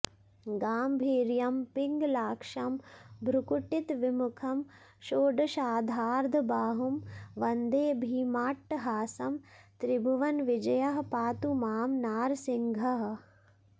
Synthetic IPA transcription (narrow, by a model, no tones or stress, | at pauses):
ɡaːmbʱiːɾjɐmpɪŋɡlaːkʂɐmbʱɾukuʈit̪ʋimukʰɐm | ʃoːɖʃaːd̪ʱaːɾd̪ʱbaːɦumʋɐnd̪eːbʱiːmaːʈːɦaːsɐmt̪ɾibʱɐʋɐnʋɪd͡ʒɐjɐɦpaːt̪umaːmnaːɾsɪŋɡʱɐɦ